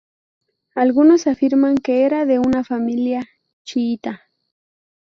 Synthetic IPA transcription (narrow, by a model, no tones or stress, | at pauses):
alɡʊnosafɪɾmaŋkeeɾaðeʊnafamilja | t͡ʃiːt̪a